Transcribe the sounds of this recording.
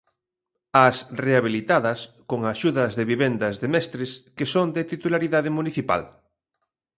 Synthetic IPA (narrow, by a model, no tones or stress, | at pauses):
ɐsreaβ̞ilit̪aðɐs | koŋaʃuðɐzðeβiβɛnd̪ɐzðemɛst̪ɾeskesoŋd̪et̪it̪ulaɾiðaðɪmuniθipa̰l